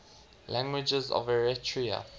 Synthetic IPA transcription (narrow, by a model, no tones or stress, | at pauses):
lãŋɡwɪd͡ʒəzɔ̰vɛɹɛtʰɹiə̰